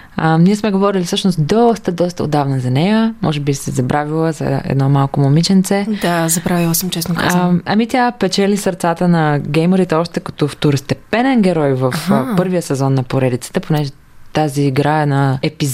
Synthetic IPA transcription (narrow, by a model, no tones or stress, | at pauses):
əniɛsmɛɡovɔɾilʲifsɤʃnost̪d̪ɔst̪əd̪ɔst̪əo̰d̪avnəzɐnɛjəmɔ̰ʒɛbisɛzɐbɾʔavilˠəzɐ̰ɛ̰d̪nɔmalˠkomomit͡ʃɛnt̪sɛd̪azɐbɾavilˠəsəmt͡ʃɛsnokaɐmit̪japɛt͡ʃɛlisɐɾt̪sat̪ənɐɡʲɛjməɾit̪ɛɔʃt̪ɛkɐt̪ɔft̪oɾost̪ɛpɛnɛnɡʲɛɾɔjvɐfpɤɾvijəsɛzɔnːɐpoɾɛd̪it̪sə̥t̪ɛponɛʒɛ | t̪aziːɡɾaɛnaɛpiz